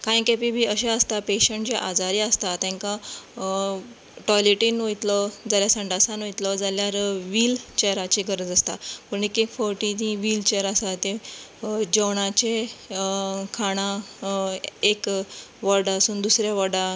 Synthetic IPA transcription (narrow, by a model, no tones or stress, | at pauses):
kajkepibʱiːəɕeəst̪apeɕəɳʈd͡ʑeʔad͡zaɾiast̪at̪ɛ̃ŋka | ʈɔjleʈinʋəjt̪lɔd͡zaljasəɳɖasanʋojt̪lɔd͡zaljaɾʋiːlt͡ɕejɾat͡ɕeɡʱəɾəd͡zast̪apəɾnikekfɔɾʈit̪ĩʋiːlt͡ɕeɾasat̪e | d͡ʑɔwɽãt͡ɕe | kʰaɽ̃ã | ekʋəɾɖasuːnd̪usɾjaʋəɖa